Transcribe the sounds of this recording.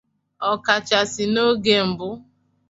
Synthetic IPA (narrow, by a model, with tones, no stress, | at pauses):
ɔ˨ka˨t͡ʃa˨sɪ˨no˦ɡe˦m̩˨bʊ˦